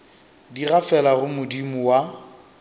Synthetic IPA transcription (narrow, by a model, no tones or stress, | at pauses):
diɣafɛlaɣʊmʊdimʊwa